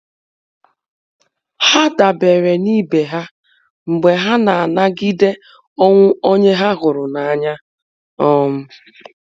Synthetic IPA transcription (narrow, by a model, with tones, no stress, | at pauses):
ha˦da˨be˨ɾe˨ni˦be˨ɦa˦ | ŋ͡m̩˨ɡ͡be˨ɦa˦na˨a˨na˦ɡi˦de˦ | ɔ˦ŋʷʊ˦o˦ɲe˦ɦa˦ɦʊ˨ɾʊ˨na˨a˦ɲa˦ | ɔ˦m̩˦